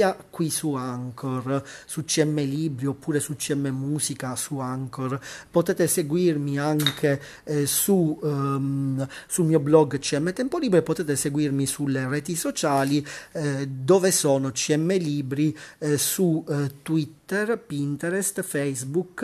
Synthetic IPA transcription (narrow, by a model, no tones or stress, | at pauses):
akːwisuaŋkʰorsut͡ʃːiɛmːeliːbɾiopːuːɾesut͡ʃːiɛmːemuːsikasuaŋkorpot̪ɛːt̪eseɡwirmiaŋkʰe | su | sumiːɔblɔɡːt͡ʃiɛmːet̪ɛmpoliːbɾepot̪ɛːt̪eseɡwirmisulerɛːt̪isot͡ʃaːli | d̪ɔːvesɔːnot͡ʃiɛmːeliːbɾisut̪wit̪ːɛrpint̪ɛɾɛst̪fɛjzbuk